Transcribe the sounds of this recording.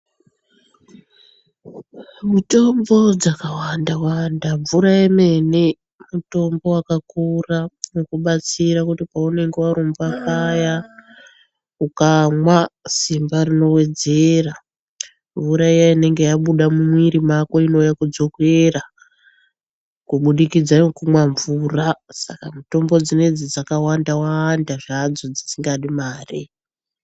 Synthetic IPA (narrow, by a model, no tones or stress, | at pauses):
muto̞mbo̞d͡zakawandawandaɱvuɾaeme̞ne | muto̞mbo̞wakakuramokuɓat͡siɾakutipaune̞ŋɡe̞waɾombakaja | ukamwasimbarino̞we̞d͡ze̞ra | ɱvuɾaijaine̞ŋɡe̞jaɓuɗamumwiɾimakoino̞jakud͡zo̞kwe̞ra | kuɓuɗikid͡zaokumwaɱvurasa̰kamuto̞mbo̞d͡zine̞d͡zid͡zakawandawandaʐad͡zo̞d͡zisiŋɡaɗimaːri